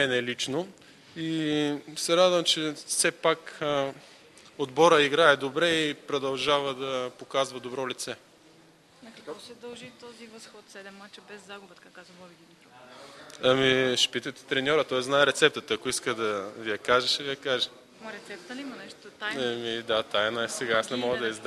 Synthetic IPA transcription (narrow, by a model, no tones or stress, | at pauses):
ɛnɛlit͡ʃno | isɛɾad̪vɐmt͡ʃɛfsɛpak | od̪bɔɾəiɡɾaɛd̪obɾɛipɾod̪ɐlˠʒavəd̪ɐpokazvɐd̪obɾɔlit̪sɛ | nɐkɐkɔsɛd̪ɐlˠʒit̪ɔzivɐsxɔt̪sɛd̪ɛmːat͡ʃɛbɛzːaɡʊbət̪kakazɔviɡ̪ʲid̪ɾɔ | ɐmiʃɛ̥pit̪ət̪ɛ̥t̪ɾɛnʲɔɾət̪ɔjznaɛɾɛt̪sɛp̚t̪ət̪əɐkoiskəd̪ɐvijɐkaʒəʃivijɐkaʒə | ɾɛt̪sɛp̚t̪əimɐnɛʃt̪ot̪aɐmid̪at̪ajnɐɛsɛɡaasnɛmɔɡəd̪ɐizd̪